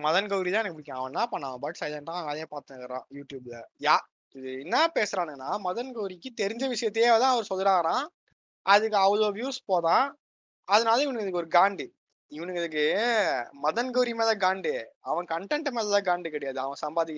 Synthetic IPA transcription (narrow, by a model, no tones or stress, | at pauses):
mɐðɐnɡɐʊɾit̪ãːɪpːɐɽɪkːãɐʋɐ̃nlãːpɐɳːaːʋɐ̃bɐːʈsɐːlɐnʈːãːɐʋɐaːlɐjeːpaːɾt̪ɯŋɐkːɐɾã̰ːjuːʈjuːblɐjaː | ɪðɯɛnːɐpeːsɾãːnɯŋɐnːaːmɐðɐnɡɐʋɾɪkːɯt̪ɛɾɪɲd͡ʒɐʋɪʂɐjɐt̪ːeːɐʋɐt̪ãːɐʋɐɾɯsɔlːɯɾaːɣɐɾãː | ɐðɯkːɯɐʋɐloːʋjuːspoːðãː | ɐðɐnaːlɐɪʋɐnɐŋɡðɯkːɔɾɯɡaːɳɖi | ɪʋɐnɯkɛðɯk̬ːɯ | mɐðɐnɡɐʋɾimeːðɐɡaːɳɖɯɐʋɐ̃kɐɳʈɛɳʈːɯmeːðɐt̪ãːɡaːɳɖɯkɐɽɛjaːðɯɐʋɐ̃sɐmbaːðɪkː